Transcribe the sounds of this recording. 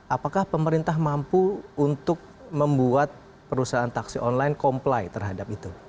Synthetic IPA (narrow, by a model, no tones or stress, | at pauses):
ʔapakahpəməɾint̪aɦmampuːnt̪ʊk̚ | məmbuat̪̚ | pəɾusaɦant̪aksiʔɔnlajnkɔmplajt̪ərɦadapit̪u